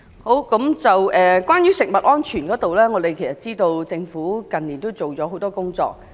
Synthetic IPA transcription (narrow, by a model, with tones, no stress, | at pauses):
ho˨˥wkɐ˨˥mt͡sɐ˨wɛː˨kwʷaː˥njyː˥sɪ˨k̚mɐ˨t̚ʔɔː˥nt͡ʃʰyː˨˩nkɔː˨˥t̪o˨wlɛː˥ŋɔː˨˧t̪e˨jkʰjsɐ˨˩t̚t͡siː˥t̪o˧wt͡sɪ˧ŋfuː˨˥kɐ˨nliː˨˩nt̪o˥wt͡so˨wt͡ʃɔː˨˥ɦo˨˥wt̪ɔː˥kʊ˥ŋt͡sɔ̰ː˧k̚